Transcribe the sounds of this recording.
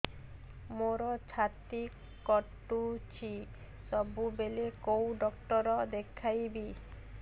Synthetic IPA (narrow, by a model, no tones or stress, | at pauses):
moɾɔt͡ʃʰat̪i | kːɔʈːut͡ʃʰi | sɔbubelekowɖɔkʈɔɾɔd̪ekʰajbi